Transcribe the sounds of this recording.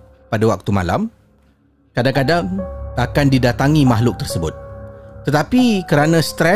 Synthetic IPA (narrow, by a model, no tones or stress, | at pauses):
padawak̚t̪uma̰la̰m | kadaŋkadaŋakandidat̪aŋimaɦlʊk̚t̪ərsəbʊ̰t̪̚ːət̪apikəɾanãst̪ɾɛ